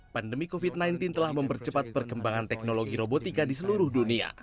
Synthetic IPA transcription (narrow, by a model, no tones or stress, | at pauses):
pandəmikofit̪̚najnt̪int̪əlahməmpərt͡ʃəpat̪̚pərɡəmbaŋant̪ɛk̚noloɡiɾobot̪ikadisəluɾʊhdunia̰